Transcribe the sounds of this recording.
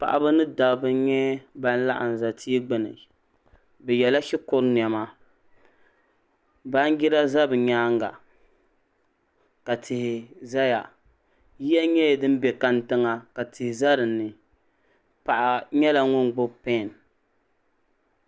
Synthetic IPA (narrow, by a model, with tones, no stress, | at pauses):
pa̰˨ʔa˨bɨ˦nɨ˦da˨bɨ˦ɲɛ˦ba˦n˦la̰˦ʔa̰˨n˨za˨tʰi˦ɛ˦ɡ͡bɨ˨nɨ̰˨ | bɛ˨jɛ˨la˦ʃi˦kʊ˦ɾn˨ɛ˨ma˦ | ba˦n˦ɡi˦ɾa˦za˦bɨ˨ɲaː˦ŋ˦ɡa̰˨ | ka˨tʰɪ˨hɪ˨za˦ja˨ | ji˦ja˦ɲɛ˦˨dɨ˦m˦bɛ˨ka˨ntɨ˦ŋa˨ka˨tɪ˨hɪ˨za˦ɾɨ˨nːɨ˨ | pa˨ʔa˨ɲɛ˦la˨ŋʊ˦n˨ɡ͡bʊ˦pɛ˦˨n